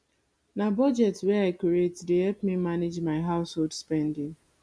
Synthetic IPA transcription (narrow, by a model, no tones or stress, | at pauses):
nabɔd͡ʒɛtweaɪkiɾetdeɦɛlpmimanɪd͡ʒmaɪɦaʊsholdspɛ̃ndɪ̃ŋ